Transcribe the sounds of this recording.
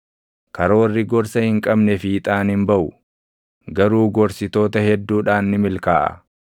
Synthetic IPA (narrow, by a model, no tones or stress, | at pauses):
kɐɾɐwɐrːɪɡɔɾsɐhɪŋkʼɐbnɛfiːt̪ʼaːnhɪmbɐʔʊ | ɡɐɾuːɡɔɾsɪt̪o̞ːt̪ɐhɛd̪ːuːᶑaːnːɪmɪlkaːʔɐ̰